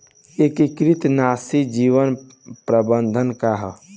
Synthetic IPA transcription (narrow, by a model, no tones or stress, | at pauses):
ekikɾit̪nasid͡ʒiʋən | pɾəbənd̪ʱənkaɦə